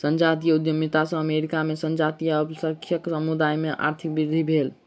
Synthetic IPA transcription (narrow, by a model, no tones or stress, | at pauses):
sənd͡ʒat̪̬ijəud̪jomit̪asə̃əmeɾikamesənd͡ʒat̪ijəbsəkʰjəksəmud̪ajmeʔa̰ɾt̪ʰik̚biɾd̪ʱibʱel